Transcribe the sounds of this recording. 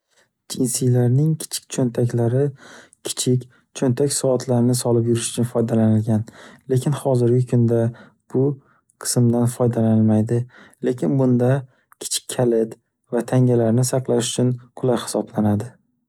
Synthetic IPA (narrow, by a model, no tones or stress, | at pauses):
d͡ʒɪnsɪjlaɾnɪŋkʲʰɪ̥t͡ʃʰɪ̥k̚ʲt͡ʃʰont̪ʰakʲlaɾɪkʲʰɪ̥t͡ʃʰɪkʲ | t͡ʃʰont̪ʰakʲsɒɒt̪ʰlaɾɪnɪsɒlɪp̬jʊɾɪʃʊ̥t͡ʃʰʊnfɒjd̪alanɪlɡʲanle̞kʲɪnhɒzɪɾɡʲɪkʰʊnd̪a | b̥ʊ | qʰɨ̥smd̪anfɒjd̪alanɪlmajd̪ɪle̞kʲʰɪnbʊnd̪a | kʲʰɪ̥t͡ʃʰɪ̥kʲʰːalɪd̪ | vat̪ʰaŋʲalaɾnɪsɑqlˠaʃʊt͡ʃʰʊnqʰʊlˠajhɪ̥sɒblanad̪ɪ